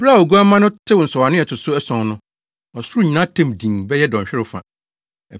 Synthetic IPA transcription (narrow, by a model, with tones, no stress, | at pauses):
bɾa˦˨o˨ɡu˦a˦mã˦nʊ̃˦tʰɪ˦wn̩˨sɔ˨wa˨nʊ̃˦ɛ˨tʰʊ˨sʊ˦ɛ˦sɔ̃˨ŋnʊ̃˦ | ɔ˨sʊ˦ɾu˦˨ɲi˨nã˦tʰɛ̃˦mdĩ˨ŋbɛ˦jɛ˦dɔ̃˨ɲ˨ɕᶣɪ˦ɾʊ˦fã̰˨